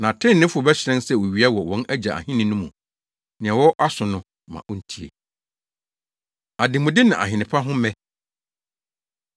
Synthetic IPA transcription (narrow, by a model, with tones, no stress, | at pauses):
nã˨tʰɪ̃˦nː˨ɪ̃˦fʊ˦˨bɛ˦ɕɪ˨ɾɛ̃˦nsɛ˦˨wɔ˨ɥi˨˦a˦wɔ˨wɔ̃˦næ˦d͡ʑa˨a̰˨hɪ̃˦nɪ̃˦nʊ̃˦mũ˨ | nɪ̃˨ɛ̃˨wɔ˦ʔa˦sʊ̃˨nʊ̃˦ | mã̰˨ʔɔ˦n̩˦tʰi˦ḛ˨ | a˨dɪ̃˨mʊ̃˨dɪ˦nã˨ʔa̰˨ɦɪ̃˨nɪ̃˨pʰa˦ɦʊ̃˦mɛ̃˦